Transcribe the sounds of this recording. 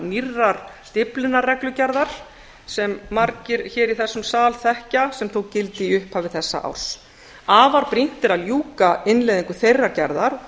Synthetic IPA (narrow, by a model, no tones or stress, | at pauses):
nirːaɾ̥st̪ɪplɪnarɛklʏcɛɾðaɾ̥ | sɛmːaɾcɪɾçɛːɾiθɛsːʏmsaːlθɛhcasɛmθowcɪlt̪ɪiʏhphaːvɪðθɛsːa̰ʔa̰wɾ̥s | aːvaɾpɾin̥t̪ɪɾaljuːkaɪnleðiŋkʏθejrːaɾ̥cɛ̰ɾðaɾ